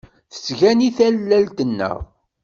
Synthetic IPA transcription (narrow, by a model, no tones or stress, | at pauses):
θə̥sʝæniθælːælt̪ənːə̰ʁ